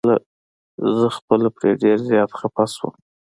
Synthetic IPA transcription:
la | zəxpəlapɾeɖeɾzjɑt̪xapaswə̰m

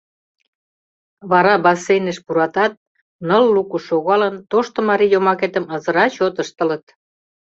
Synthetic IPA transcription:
βɑɾɑbɑsːejnə̆ʃpuɾɑt̪ɑt̪̚ | nɤlːukuʃoɣɑlənt̪oʃt̪ŏmɑɾijomɑket̪ə̆mə̆zə̆ɾɑt͡ɕot̪ə̆ʃt̪ə̆lət̪̚

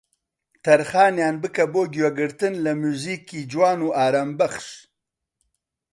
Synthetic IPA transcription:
t̪aɾxɑːnjɑːnbəkaboːɡjwaɡəɾt̪ənlamuzikːid͡ʒwɑːnuʔɑːɾambaχʂ

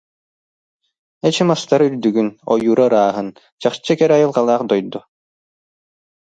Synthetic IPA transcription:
ɛt͡ɕɯmast̪aɾyɾd̪yɡynɔ̰juːɾaɾaːɦɯn | t͡ɕaχt͡ɕːɯkɛɾajɯlˠqalˠaːχd̪ɔjd̪u

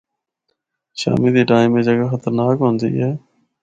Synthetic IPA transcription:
ʃa̰ːmiːd̪iːʈaːɪmẽːd͡ʒəɡaxət̪əɾnaːkɦʊ̃nd̪ḭːɦɛː

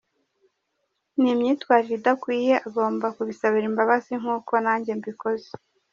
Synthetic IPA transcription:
nimɲiːtwaːɾiɾidakwiːje̞ʔaɡo̞ːmbakuβisaβiɾimbaβaziŋ̥uːko̞naːɲɟe̞mbiko̞ze̥

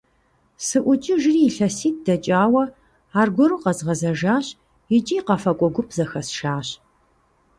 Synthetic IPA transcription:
sɨʔʷʊt͡ʃʼɪʒɪriːɬɐsiːt̚d̥ɐt͡ʃʼaːwɐ | aːrɡʷɔɾuːqɐzʁɐzɐʒaːɕ | ɪt͡ʃʼiːqɐfɐkʷʼɔɡʷʊpʰz̥ɐxɐsʃaːɕ

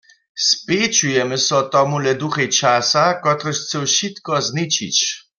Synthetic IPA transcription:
spet͡ʃujɛmɛsɔt̪ɔmulɛd̪uxɛjt͡ʃasakɔt̪ʁɔʃt͡sɛwʃit̪kɔznit͡ʃḭt͡ɕ

